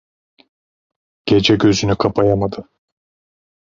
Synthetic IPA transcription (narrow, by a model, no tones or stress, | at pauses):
ɟ̥e̞d͡ʒɛɟø̞zynykʰapʰajamad̪ɯ